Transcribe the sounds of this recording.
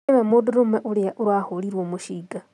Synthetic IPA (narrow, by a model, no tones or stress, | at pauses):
ememuduɾumeʔuljaʔuɾwaholiɾwomuʃiːɡa